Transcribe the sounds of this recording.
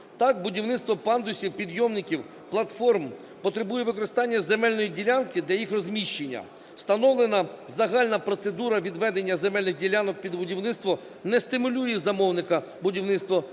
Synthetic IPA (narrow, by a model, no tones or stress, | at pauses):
t̪ɑkbʊdʲiwnɪt̪t̪ʋɔpɑnd̪ʊsʲiwpʲid̪jɔmnʲɪkʲiw | plˠɐt̪fɔrm | pɔt̪ɾebujɛʋɪkɔɾɪst̪ɑnʲːɐzemɛlʲnɔjidʲilʲɑnkɪd̪lʲɐjixrɔzmʲiʃt͡ʃenʲːɐ̰ | w̥st̪ɐnɔwlˠenɐzɐɦɑlʲnɐpɾɔt̪sed̪uɾɐʋʲid̪ʋɛd̪enʲːɐzemɛlʲnɪxdʲilʲanɔk̚pʲid̪bʊdʲiwnɪtst̪ʋɔ | nɛst̪ɪmʊlʲujɛzɐmɔwnɪkɐ | bʊdʲiwnɪt̪st̪ʋɔ